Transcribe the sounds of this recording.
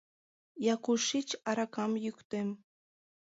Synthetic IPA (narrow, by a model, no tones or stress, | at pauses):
jɑkuʃit͡ʃɑɾɑkɑmjykt̪em